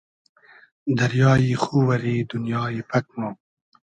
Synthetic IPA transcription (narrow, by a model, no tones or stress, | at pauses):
d̪ɐɾjɑːjixuwɐɾiːd̪unjɑːipʰɐk̚moː